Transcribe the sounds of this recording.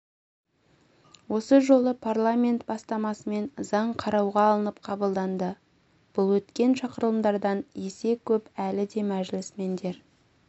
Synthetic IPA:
wo̞səʒo̞lˠəpʰarlˠamʲe̞nt̪bɑst̪ɑmɑsəme̞nzɑɴqʰɑɾɑwʁɑːlˠənəp̚qʰɑbəlˠd̪ɑnd̪ə | b̥ʊlˠwɵt̪kʲe̞nʃɑqəɾəlˠəmd̪ɑɾd̪ɑnje̞se̞kʲʰɵpælɪd̪e̞mæʒɪlɪsme̞nd̪e̞ɾ

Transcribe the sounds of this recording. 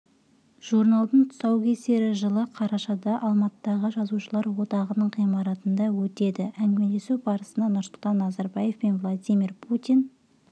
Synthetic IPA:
ʒ̥uɾnalˠd̪əɴt̪ʰʊ̥sɑwkʲʰe̞se̞ɾɪʒəlˠəqʰɑɾɑʃɑd̪ɑʔɑlˠmɑt̪əd̪ɑʁəʒɑzuʃəlˠɑɾwo̞t̪ɑʁənəɴʁijmɑɾɑt̪ənd̪ɑwɵt̪e̞d̪ɪʔæŋɡʲɪmele̞subɑɾəsənɑnʊɾsʊlˠt̪ʰɑnːɑzɑɾbɑje̞fpe̞nvlˠad̪ʲijmʲirpʰut̪ʲin

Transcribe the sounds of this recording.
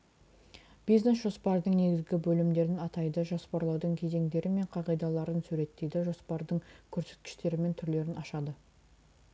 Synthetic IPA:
b̥ijzne̞sʒo̞spɑɾəd̪əɴne̞ɡʲɪzɡʲɪbɵlɪmd̪e̞ɾɪnɑt̪ɑjd̪əʒospɑɾlˠɑwd̪əɴkʲʰe̞ze̞ŋd̪e̞ɾɪme̞ɴqʰɑʁijd̪ɑlˠɑɾənsʉɾe̞t̪ːe̞jd̪ɪʒo̞spɑɾd̪əɴkʲʰɵɾse̞̥t̪̚kʲɪ̥ʃt̪e̞ɾɪme̞nt̪ʰʏɾle̞ɾɪnɑʃɑd̪ə

